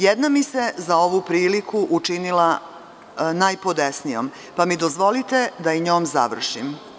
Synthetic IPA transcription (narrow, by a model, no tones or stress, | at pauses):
jed̪namise̞zao̞ʋupɾiːlikuʔut͡ʂinila | najpod̪esnijo̰m | pamid̪ozʋo̞lit̪e̞d̪aiɲo̞ːmza̰ʋr̩ʃim